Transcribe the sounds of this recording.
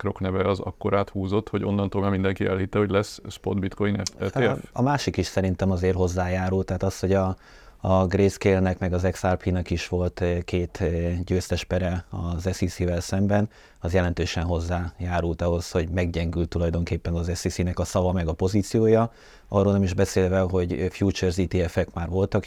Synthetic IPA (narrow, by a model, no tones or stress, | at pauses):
kro̞knɛvɛɒzɒ̰kːo̞ɾaːt̪huːzo̞t̪ho̞ɟo̞̰nːɒnt̪oːlmamind̪ɛŋkiʔɛ̰lhit̪ːɛho̞ɟlɛsspod̪bit̪kojinɛfɛfɒmaːʃikiʃsɛɾint̪ɛmɒzeːrɦo̞zːaːjaːɾult̪ːaːt̪ɒsho̞ɟɒː | ɡreːskeːlnɛkmɛɡɒzɛksarpinɛkiʃʋo̞lt̪keːt̪ɟøːst̪ɛʃpɛɾɛɒzɛsisivɛlsɛmbɛn | ɒzjɛlɛnt̪øːʃɛnɦo̞zːaːjaːɾult̪ɒɦo̞sho̞ɟmɛɡɟɛŋɡylt̪ːulɒjd̪o̞ŋkeːpːɛnɒzɛsisinɛkɒsɒvɒmɛɡɒpo̞ziːt̪sijoːjɒ | ɒroːlnɛmiʒbɛseːlvɛɦo̞ɟfjuːt͡ʃørziːt̪iɛfɛkmaːrvo̞lt̪ɒk